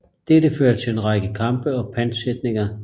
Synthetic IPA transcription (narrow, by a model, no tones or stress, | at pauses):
d̥ed̥əføːɐt͡sʰe̝lenʁɑ̈ɡ̥əkʰɑ̈mb̥əɒ̽pʰænsed̥ne̝ŋɐ